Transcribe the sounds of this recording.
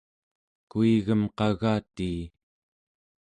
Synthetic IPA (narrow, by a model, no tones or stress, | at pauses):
kuiɣəmqɑɣaːt̪iː